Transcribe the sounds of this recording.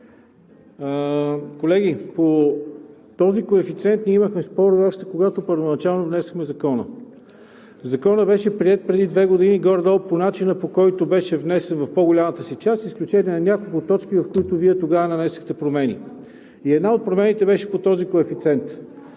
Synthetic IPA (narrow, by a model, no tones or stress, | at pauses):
kolɛɡ̟ipo | t̪ɔzikoɛfit̪sɛnt̪niɛiməxmɛspɔɾvɔpʃt̪ɛ̥koɡat̪opəɾvonɐt͡ʃalˠnovnɛsəxmɛzɐkɔnə̰ | zɐkɔnəbɛʃɛpɾiɛt̪̚pɾɛd̪id̪vɛɡod̪iniɡɔɾd̪ɔlˠponat͡ʃinəpokɔjt̪obɛʃɛvnɛsɛnvɐfpoɡolʲamət̪əsit͡ʃasisklʲut͡ʃɛniɛnɐnʲakolˠkʊt̪ːɔt͡ʃk̟ivɐfkoit̪ʊviɛt̪oɡavənɐnɛsə̥xt̪ɛpɾomɛnḭ | iɛd̪naot̪̚pɾomɛnit̪ɛbɛʃɛ̥pot̪ɔzikoɛfit̪sɛnt̪